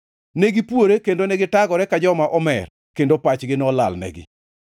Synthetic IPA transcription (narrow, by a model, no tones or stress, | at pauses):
neɡipwoɾekendoneɡɪtaɡɔɾɛkad͡ʒɔmaʔɔmɛ̰r | kendopat͡ʃɡɪnɔla̰lnɛ̰ɡɪ̰